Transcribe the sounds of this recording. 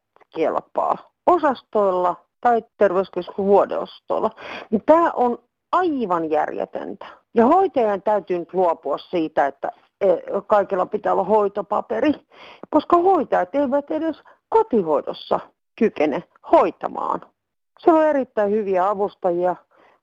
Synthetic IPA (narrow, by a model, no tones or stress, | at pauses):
kḛlpːɑ̰ː | osɑst̪oilːɑ | t̪ɑit̪erʋeyskyskuʋuodḛo̰st̪o̰ilːɑnit̪æːʔon | ɑiʋɑnjæ̰rjḛt̪ḛnt̪æ̥ | jɑhoit̪ɑjɑnt̪æyt̪ynyt̪luopuɑssiːt̪æet̪ːæ̰ | ekɑikilːɑpit̪æːolːɑhoit̪opɑ̰peri | koskɑhoit̪ɑjɑt̪eiʋæt̪edes | kot̪ihoido̰sːɑ̰ | kykene | hoit̪ɑ̰mɑ̰ːn | sieloerit̪ːæihyʋiæɑʋust̪ɑjiɑ